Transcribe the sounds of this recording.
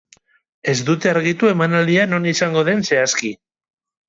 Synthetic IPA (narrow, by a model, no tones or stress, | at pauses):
e̞zd̪ut̪e̞aɾɣ̞it̪ue̞manald̪iano̞nisaŋɡo̞ð̞e̞nse̞aski